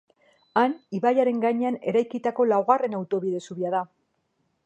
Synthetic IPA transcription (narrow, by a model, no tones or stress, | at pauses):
aniβajaɾe̞ŋɡaɲe̞ane̞ɾajkit̪ako̞lawɣare̞nawt̪o̞βiðe̞suβiaða